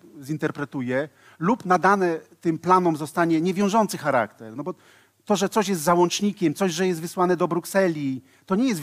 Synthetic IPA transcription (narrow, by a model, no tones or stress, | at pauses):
zint̪ɛɾpɾɛt̪ujɛ | lupnad̪anɛt̪ɘmplanɔmzɔst̪aɲɛɲɛvʲjɔ̃w̃ʐɔnt̪sɘxaɾa̰kt̪ɛɾnɔbɔ | t̪ɔʐɛt̪sɔɕjɛst̪zawɔnt͡ʂɲikʲɛmt̪sɔʑʐɛjɛst̪vɘswanɛd̪ɔbɾuksɛlʲi | t̪ɔɲɛjɛst̪v